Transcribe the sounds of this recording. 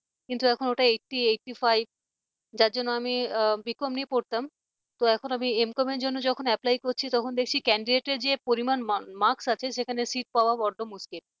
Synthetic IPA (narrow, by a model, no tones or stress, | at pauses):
kint̪uɛkʰonoʈaekʈieʈːifajb̚ | d͡ʑaɾd͡ʑonːoamibikomniepoɾt̪am | t̪oɛkʰonamiemkɔmeɾd͡ʑonːod͡ʑɔkʰonɛplajkoɾt͡ɕʰit̪ɔkʰond̪ekʰt͡ɕʰikɛɳɖiɖeʈeɾd͡ʑepoɾimanmaɾksat͡ɕʰeʃekʰanesiʈ̚paoabɔɖːomuskil